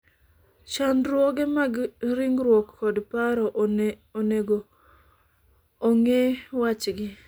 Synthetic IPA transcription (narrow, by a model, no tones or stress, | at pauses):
ʃandɾwɔɡɛmaɡɾiŋɾwɔkːɔdpaɾɔ | oneɡo | ŋewat͡ʃɡɪ